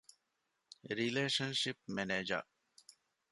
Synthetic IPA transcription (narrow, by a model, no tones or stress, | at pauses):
ɾileːʃɐnʃip̚meneːd͡ʒɐ̰